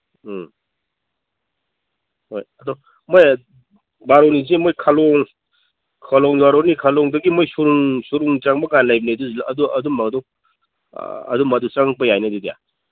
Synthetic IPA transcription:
hojɐdɔ | moj | baɾonizemojkʰalɔŋ | kʰalɔŋjaɾɔnikʰalɔŋdɐɡimojsuɾuŋsuɾuŋt͡ʃaŋbɐɡanlajbineduzɐduɐdumːaŋdɔ̰ | ɐ̰dumadut͡ʃaŋpɐjajnɐdidija̰

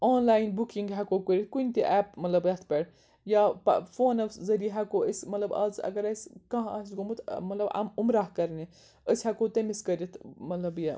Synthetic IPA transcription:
oːnlaːinbukiŋɡɦɛkoːkəɾʲit̪̚ʰkunʲt̪iʔɛːp̚mɐt̪lɐbjɐt̪ʰpʲɛɽ | jaːpfoːnɐfzɐɾiɦɛkoːəsʲmɐt̪lɐbɐ̰zɐ̰ɡɐɾɐsʲkɐ̃ɦa̰ːsɡomut̪ʰmɐt̪lɐba̰mumɾaːɦkɐɾni | əsʲɦɛkoːt̪ɐmiskɐɾʲit̪ʰmɐt̪lɐbja

